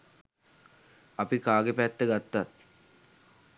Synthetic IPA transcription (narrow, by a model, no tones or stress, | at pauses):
ɐpikaːɡəpæt̪ːəɡat̪ːat̪̚